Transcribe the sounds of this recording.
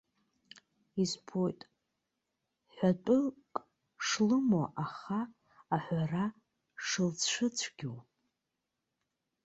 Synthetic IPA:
izpʰojtʼ | ħʷᶣatʷʼʊkʼ | ʂlɨmoʔaχaː | ħʷara | ʂɨlt͡sʂʰɨt͡ɕʷʰɡʲiw

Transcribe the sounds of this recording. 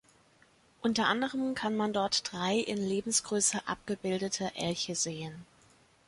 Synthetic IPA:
ʔʊntɐʔandəʁəmkʰanmandɔɐtd̥ʁaɪʔɪ̰nleːbm̩sɡ̥ʁøːsəʔa̰p̚ɡ̥əbɪldətʰɐʔɛ̰lçəzeːən

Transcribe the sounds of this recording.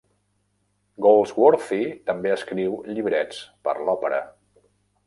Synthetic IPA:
ɡolˠzwoɾfit̪əmbeəskɾiwʎiβɾɛt͡spə̰ɾlɔpəɾə̰

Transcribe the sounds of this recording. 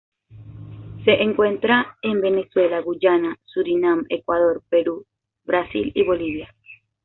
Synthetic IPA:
seʔeŋkwent̪ɾaembe̞neswelaɣud͡ʒanasuɾinãmḛkwaðoɾpeɾu | βɾasḭliβoliβja

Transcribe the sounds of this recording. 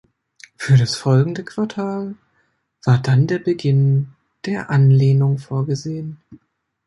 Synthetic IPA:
fyːɐɾasfɔlɡŋ̩dəkʰv̥aɐtʰaːl | v̥aːɐdandeːɐbəɡɪn | d̥eːɐʔanleːnʊŋfoːɐɡəzeːən

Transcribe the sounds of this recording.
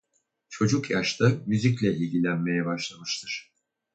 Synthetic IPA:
t͡ʃʰo̞d͡ʒukjaʃt̪ʰamyzic̬lʲɛilʲɟilʲænme̞jɛbaʃlˠamɯʃt̪ʰɯɾ̥

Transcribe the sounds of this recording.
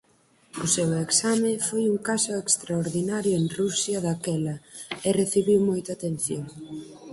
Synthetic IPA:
ʊseweksamɪfojuŋkasʊekst̪ɾaoɾðinaɾjʊeŋrusjɐðakɛlɐɛreθiβiwmojt̪aːt̪en̟θjoŋ

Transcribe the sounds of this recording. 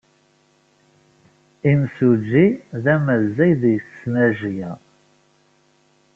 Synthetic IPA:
imsud͡ʒːiðæməzːæjðjθsːnæʒjæ

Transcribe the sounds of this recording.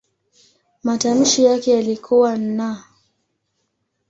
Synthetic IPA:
matam̩ʃijakɛjalikʰuwan̩na

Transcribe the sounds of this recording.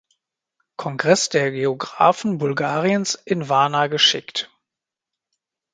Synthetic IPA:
kʰɔŋɡʁɛsd̥eːɐɡeoɡʁa̰ːfn̩bʊlɡaːʁiənsʔɪnvaɐnaɡəʃɪkt

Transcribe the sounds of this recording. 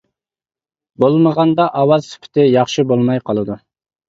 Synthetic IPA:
bolˠməʁɑnd̪ɑʔɑwɑzsy̥pʰɪ̥t̪ʰɪjɑχʃɨbolˠmɑjqʰɑlˠɨd̪u

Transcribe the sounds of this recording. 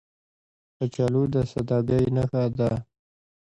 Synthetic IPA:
pət͡ʃalud̪əsad̪ɑɡajnaxad̪a

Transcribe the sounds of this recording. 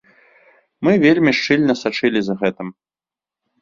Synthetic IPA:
mɨvʲelʲmʲiʂt͡ʂɨlʲnɐsat͡ʂɨlʲizɐɣɛt̪ɨm

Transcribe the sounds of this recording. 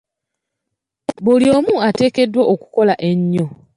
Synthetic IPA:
bulio̞ːmuate̞ːke̞dːwoʔoku̥ko̞laʔe̞ɲːo̞

